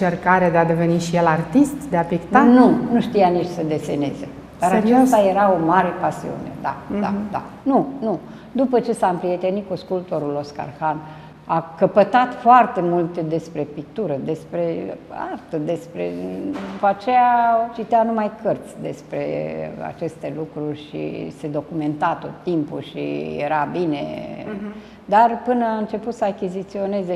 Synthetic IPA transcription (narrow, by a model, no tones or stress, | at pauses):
t͡ʃerkaɾeed̪ead̪e̞veniʃijelart̪ist̪d̪eapikt̪anunuʃt̪ijanit͡ʃʲsəd̪e̞sene̞zḛ | d̪aɾat͡ʃest̪aje̞ɾao̞maɾe̞pasḭṵne̞̰d̪a̰ad̪a̰ | nunu | d̪upət͡ʃe̞sampɾije̞t̪e̞nit̪̚kuskult̪oɾulo̞ska̰rxan | akəpət̪at̪foart̪e̞mult̪d̪e̞spɾe̞pik̚t̪uɾəd̪e̞spɾe̞a̰rt̪əd̪e̞spɾe̞̰d̪upat͡ʃejat͡ʃit̪eanumajkʰərt̪sʲd̪e̞spɾe̞̰a̰t͡ʃe̞st̪e̞lukɾurʲʃḭse̞d̪o̞kume̞nt̪at̪o̞t̪ːimpuʃḭjḛɾabine̞̰ | d̪arpɨnəaɨnt͡ʃe̞put̪səakʲizit̪sio̞ne̞ze